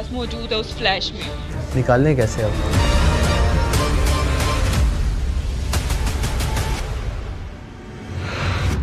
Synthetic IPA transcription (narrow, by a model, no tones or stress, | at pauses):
smoduːd̪osflɛʃmiː | nɪkaːld̪ẽkɛːseɐb